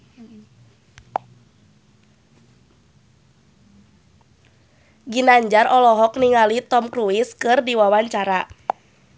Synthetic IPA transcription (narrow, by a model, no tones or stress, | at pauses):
ɡinaɲd͡ʒarʔɔlɔɦɔk̚niŋalit̪ɔmkɾuiskɨrdiwawaɲt͡ʃaɾa